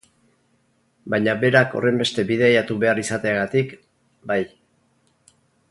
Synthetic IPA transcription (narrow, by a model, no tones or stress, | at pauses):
bajɲabe̞ɾako̞̰re̞mbe̞st̪e̞bið̞e̞ajat̪uβe̞arisat̪eaɣat̪ik | baj